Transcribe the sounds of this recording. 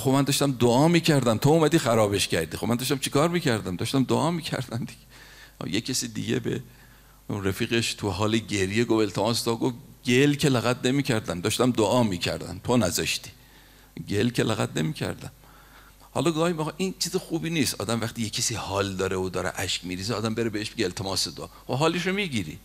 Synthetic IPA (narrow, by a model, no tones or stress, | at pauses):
xobmænd̪ɒːʃt̪æmd̪oɒːmiːcʰæɾd̪æmt̪ʰouːmæd̪iːxæɾɒːbe̞ʃcʲæɾd̪iːxobmænd̪ɒːʃt̪æmt͡ʃʰekʰɒːɾmiːcʰæɾd̪æmd̪ɒːʃt̪æmd̪oʔɒːmiːcʰæ̰ɾd̪æmd̪iɟḛjekʲʰesiːd̪ḭɟḛbḛ | ɾæfiːɣeʃt̪ʰuɦɒːleɟe̞ɾjeɡovelt̪ʰemɒːst̪ɒɡofɟelkʰelæɣæd̪ne̞miːcʰæɾd̪æmd̪ɒʃt̪æmd̪oʔɒːmiːcʰæ̰ɾd̪æ̰nt̪ʰonæzɒʃt̪i̥ː | ɟelkʰelæɣæ̰d̪nemiːcʰæ̰ɾd̪æm | hɒ̰lɒːɡɒːhimiɣɑʔint͡ʃʰiːzexuːbiːniːst̪ɒ̰ːd̪æmvæxt̪iːjekʰːesiːhɒːld̪ɒːɾeod̪ɒːɾḛʔæʃkmiːɾiːzeːd̪æmbeɾebeeʃbiɡeelt̪ʰemɒːsed̪oʔɒ̰ːxobɦɒːleʃomiːɡiɾḭ